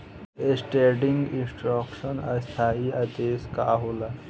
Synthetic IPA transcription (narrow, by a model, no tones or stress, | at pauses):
esʈeːɖiŋɡĩnsʈɾɔkʃənə̰st̪ʰaːiad̪eːska̰ɦola